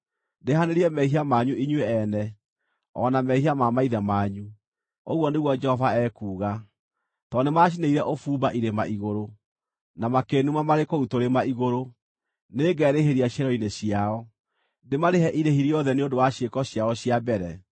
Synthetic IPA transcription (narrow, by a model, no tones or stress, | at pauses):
dehaneɾiɛmɛɦiamaɲuiɲweɛnɛ | ɔ̰namɛhiamamaiðɛmaɲu | oɣwɔneɣwɔd͡ʒɛhɔvaɛkuːɣa | tɔnemaʃ̬ineiɾɛʔofuːbaʔiɾema̰ʔiɣoɾo | namakenumamaɾekoutoɾemaiɣoɾo | neːɡɛːɾeɦeɾiaɕjɛɾɔineɕiaɔ | ndemaɾeɦɛʔiɾehiɾiɔðɛneodowaɕekɔɕjaɔɕiabɛɾɛ